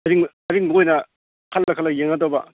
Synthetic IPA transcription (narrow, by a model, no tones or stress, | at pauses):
ɐɾiŋ | ɐɾiŋmojnɐ | kʰɐlːɐkʰɐlɐjeŋɐdobɐ